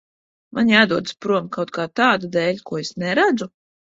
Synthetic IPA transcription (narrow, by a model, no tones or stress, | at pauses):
manʲjaːd̪uɔd̪spɾuɔmkawt̪̚kʰaːt̪aːd̪ud̪ɛːlʲkuɔesnɛɾad̪zu